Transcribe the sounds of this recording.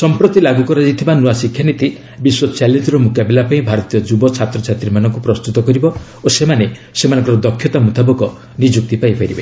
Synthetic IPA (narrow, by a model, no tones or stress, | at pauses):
sɔmpɾot̪ilaɡukɔɾad͡ʒit̪ʰibanuwasikʰjanit̪i | biswɔt͡ʃalend͡ʒɔɾɔmukabilapaĩbʱaɾɔt̪ijɔd͡ʒubɔt͡ʃʰat̪ɾɔt͡ʃʰat̪ɾimanɔŋkupɾɔst̪ut̪ɔkɔɾibɔ | osemane | semanɔŋkɔɾɔd̪ɔkʰjɔt̪amut̪abɔkɔ | nid͡ʒuk̚t̪ipaipʰaɾibe